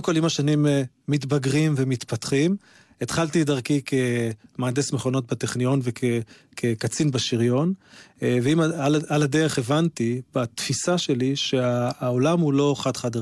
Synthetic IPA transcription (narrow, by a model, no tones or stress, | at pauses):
mko̞limaʃanimː | it̪baɡʁimvemit̪pat̪χim | et̪χalt̪idaʁkikʰemaːdesmeχo̞no̞t̪̚bat̪eχnijo̞nvekʰe | kʰekat͡sinbaʃiʁjo̞nveimaalaladeʁeχevantib̥at̪fisaʃe̞liʃe̞aolamhulo̞χadχad̪